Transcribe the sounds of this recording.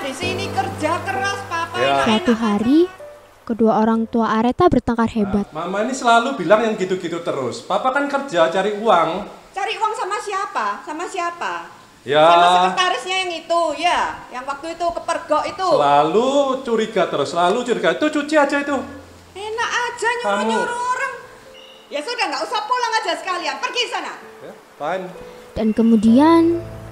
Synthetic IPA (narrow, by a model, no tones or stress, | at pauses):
disinikərd͡ʒakəɾaspapajasat̪uɦaɾi | kəduaoɾaŋt̪uaʔaɾet̪abərt̪əŋkarɦebat̪̚mamainisəlalubilaŋjaŋɡit̪uɡit̪ut̪əɾʊ̰spapakankər̥d͡ʒat͡ʃaɾiuaŋt͡ʃaɾiuaŋsamasiapasamasiapa | jaat̪aɾɪsɲajaŋit̪ujajaŋwak̚t̪uit̪ukəpərɡ̥ɔʔit̪ulalut͡ʃuɾiɡat̪əɾʊsəlalut͡ʃuɾiɡait̪ut͡ʃut͡ʃiḁd͡ʒait̪u | enakḁd͡ʒ̥a̤ɲuamɲuɾuɾəŋ | jasudaŋɡaʔusaʔpulaŋad͡ʒasə̥kalianpərɡisana | paɪn | d̥ankəmudian